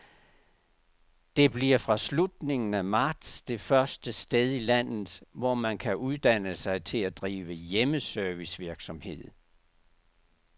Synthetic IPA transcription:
d̥e̝b̥liɐfʁɑ̈slud̥ne̝ŋn̩æmɑ̈ːd̥sd̥e̝fɶɐsd̥əsd̥eð̞ˠilæn̰ð̩ˠʋɒmænkʰæʔuðˠd̥æn̰əsɑ̈ɪt͡sʰe̝læd̥ʁiːʋəjeməsœɐʋisʋiɐɡ̥sɒ̽mhe̝ð̰ˠ

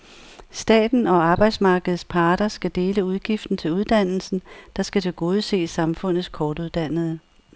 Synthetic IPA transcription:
sd̥ɛ̰ːd̥n̩ɒ̽ɑ̈ːb̥ɑ̈ɪd̥smɑ̈ːɡ̥əð̩ˠspʰɑ̈ːd̥ɐsɡ̥æd̥e̝ːləuðˠɡ̥ifd̥n̩t͡sʰe̝luðˠd̥æn̰l̩sn̩d̥ɑ̈sɡ̥æt͡sʰe̝lɡ̥o̝ːð̞ˠse̝̰ːsːɑ̈mfɔ̽n̰ð̩ˠskʰɒːd̥uðˠd̥æn̰ð̞̩ˠə

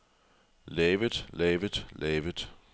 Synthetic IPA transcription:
lɛːʋəð̥lɛːʋəð̥lɛːʋəd̥ˠ

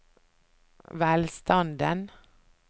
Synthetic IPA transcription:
ʋæːlst̪ɑnd̪ən

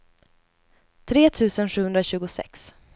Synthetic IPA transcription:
t̪ʰɾeːt̪ʰʉ̟ːsənɧʉ̟hɵnd̪ɾaɕʉ̟ːɡʊsɛ̰ks

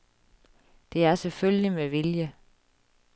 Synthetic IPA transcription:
d̥e̝æɐselføljlimeʋiljə

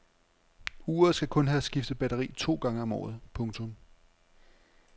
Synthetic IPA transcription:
uːɐðˠsɡ̥ækʰɔ̽nɦæːsɡ̥ifd̥əb̥æɾɐʁḭːt͡sʰo̝̰ːɡ̥ɑ̈ŋəɒ̽mɒ̰ːð̞̩ˠpʰɔ̽ŋt͡sʰɔ̽m

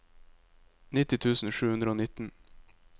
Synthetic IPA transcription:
nɪt̪ɪt̪ʰʉːsn̩ʃʉːhʉnd̪ɾəoːnɪt̪n̩

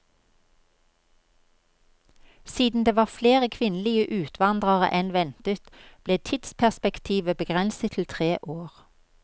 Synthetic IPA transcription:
siːd̪n̩d̪eːʋɑːfleːʁəkʰʋɪnəlɪəʔʉːt̪ʰʋɑnd̪ʁɑʁə̰ʔɛnʋɛnt̪ət̪b̥leːt̪ʰɪd̪spʰæʁspɛkt̪ʰiːʋəbəɡʁɛnsət̪ʰl̩t̪ʰʁeːʔoːʁ

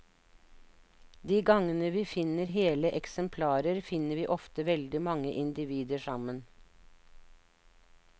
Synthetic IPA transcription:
d̪iːɡɑŋənəʋiːfɪnəɾɦeːləʔɛksəmpʰlɑːɾəɾfɪnəʋiːʔɔft̪əʋɛld̪ɪmɑŋəʔɪnd̪ɪʋiːd̪əʃɑmən

